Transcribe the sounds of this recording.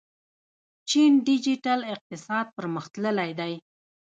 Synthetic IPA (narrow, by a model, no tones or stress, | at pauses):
t͡ʃinɖid͡ʒiʈalɪq̚t̪ɪsɑd̪̚pəɾməxt̪ləlajd̪aj